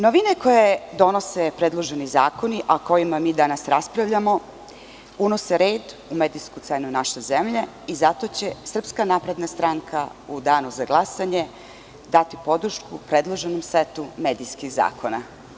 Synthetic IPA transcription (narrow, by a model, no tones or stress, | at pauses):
noʋine̞ko̞jed̪o̞no̞sepɾed̪lˠo̞ʒe̞nizaːko̞niʔako̞jimamiːd̪anasɾaspɾaʋʎamo̞ | uno̞seɾeːd̪umed̪ijskut̪senunaʃezemʎe | izat̪o̞t͡ɕe̞sr̩pskanaːpɾe̞d̪nast̪ɾaŋkʰa̰ud̪aːnuzaɡlˠasaɲe̞ | d̪at̪ipo̞d̪ɾ̩ʃkupɾed̪lˠo̞ʒenomsʋet̪umeːd̪ijskiɣza̰ːko̞na